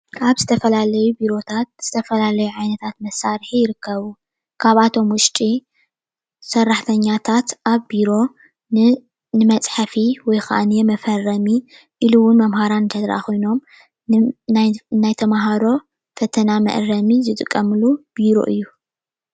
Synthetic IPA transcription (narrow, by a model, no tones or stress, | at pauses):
ʔaβzɨt̪ʰɐfɐlalɐjubiɾo̞t̪ʰat̪̚z̥ɨt̪ʰɐfɐlalɐjuʕajnɐt̪ʰat̪mɐsːaɾħijɪɾɨkʰːɐβu | kʰaβat̪ʰo̞mwʊʃt͡ʃ̪ʼi | sɐrːaħt̪ʰɐɲːat̪ʰat̪ʔaβbiɾo̞ | nɨmɐt͡sʼħafiwɔjxa̰ʔanijɛmɐfɐrːɐmi | ʔiluwʊnmɐmhaɾant̪ʰɐd̪ɾa̰ko̞jno̞m | najt̪ʰɐmaɦaɾo̞ | fɐt̪ʰɐnamɐ̰ʔɾɐmizɨt̪ʼɨkʼːɐmɨlub̥iɾo̞̰ʔɨjːu